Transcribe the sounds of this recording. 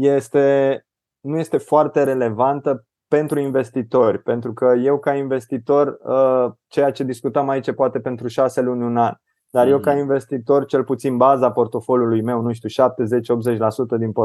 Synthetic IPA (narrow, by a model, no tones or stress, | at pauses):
jest̪e̞ | nuje̞st̪e̞foart̪e̞ɾe̞le̞vant̪ə | pe̞nt̪ɾuinve̞st̪it̪o̞rʲpe̞nt̪ɾukəje̞wkainve̞st̪it̪o̞rʲət͡ʃe̞jat͡ʃe̞d̪iskut̪əmait͡ʃepoat̪e̞pe̞nt̪ɾuʃase̞lunʲunanʲ | d̪̥arje̞wkainve̞st̪it̪o̞rt͡ʃe̞lput̪sinbazapo̞rt̪o̞fo̞ljulujme̞wnuʃ̬t̪ʲuʃap̚t̪e̞ze̞t͡ʃo̞pt̪ze̞t͡ʃʲlasut̪əd̪inpo